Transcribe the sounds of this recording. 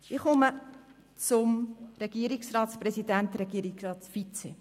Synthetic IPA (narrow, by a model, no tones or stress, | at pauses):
iχʊmə | t͡sʊmɾɛɡ̥iːɾiksrɑːtsprɛsidænt̪ɾɛɡ̥iəɾiksɾɑːtsfit͡sɛ